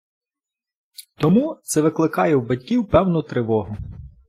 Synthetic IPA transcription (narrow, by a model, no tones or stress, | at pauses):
t̪ɔmut̪sɛʋɪklˠɪkɑjɛwbɐtʲkʲiwpɛwnɔt̪ɾɪʋɔɦʊ